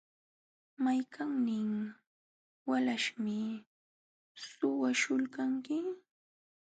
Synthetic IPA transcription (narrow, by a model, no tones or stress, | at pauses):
majkʰaŋnɪŋ | walaʃmɪ | sʊwaʃʊlkaŋkɪ